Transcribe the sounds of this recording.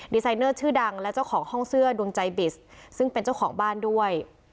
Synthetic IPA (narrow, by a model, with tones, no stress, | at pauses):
di˧sa˧jnɤː˥˩t͡ɕʰɯː˥˩da˧ŋlɛ˦˥wt͡ɕa˥˩wkʰɔː˩˦ŋhɔ˥˩ŋsɯ˥˩ɐdu˧əŋt͡ɕa˧jbi˨˩ssɯ˥˩ŋpe˧nt͡ɕa˥˩wkʰɔː˩˦ŋbaː˥˩ndu˥˩əj